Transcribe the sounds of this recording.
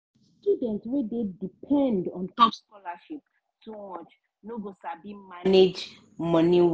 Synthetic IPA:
studɛ̃ntswɛd̪edipʰɛ̃ndɔ̃nkapskɔlaʃip̚ | tumɔt͡ʃ | noɡosabimaned͡ʒ | mɔ̃niw

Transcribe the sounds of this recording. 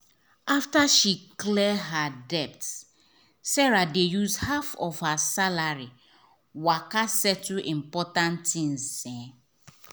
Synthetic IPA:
aftaʃiklɛɦadɛp̚ts | sɛɹadejuzhafɔfhasalaɹi | wakasɛtuʔĩmpɔtãntĩnsɛ̃

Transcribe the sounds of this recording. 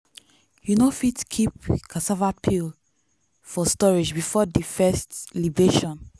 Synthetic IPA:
junofitkʰipkʰɔ̃nsɛvat̚pʰil | fɔstɔɹid͡ʒbifɔdifɛstlibeʃɔ̃n

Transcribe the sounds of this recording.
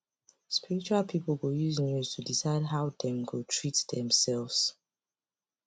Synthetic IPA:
spiɹit͡ʃualpʰiplɡujuznjuz̥tʰudisaɪd̚ɦaʊdɛ̃mɡutʰɹitdɛ̃msɛlvz̥

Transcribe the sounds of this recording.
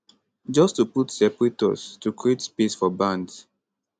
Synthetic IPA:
d͡ʒɔstuputsɛpɹitɔ̰stukʰɹietspesfɔbãnds

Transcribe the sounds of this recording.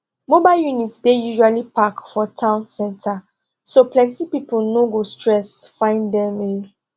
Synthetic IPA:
mobaɪljunitdejuʒualipʰakfɔtʰãʊ̃nsɛ̃ntʰa | soplɛ̃ntipipul̩noɡostɹɛsfãɪ̃ndɛ̃me

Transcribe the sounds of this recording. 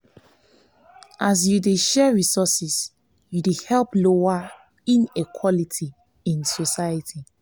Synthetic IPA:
ʔas̬judeʃɛɹisɔsis | judehɛlˠploa | ĩnikʰwɔlitʰi | ĩnsosajətʰi

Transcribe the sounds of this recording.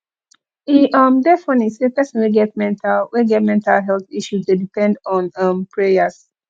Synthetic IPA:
iʔʌmdɛfɔ̃nisəpɛsə̃nwiɡɛt̚mɛ̃ntʰalwɛɡɛt̚mɛ̃ntʰalɦɛlˠθiʃuzdedipɛ̃ndɔ̃nʌ̃mpʰɹejəs

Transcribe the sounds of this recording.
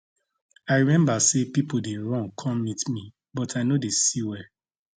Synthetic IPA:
aɪɹimɛ̃mbasepipodeɹɔ̃ŋkʰɔ̃mːitmi | bɔtaɪnodesiwɛ

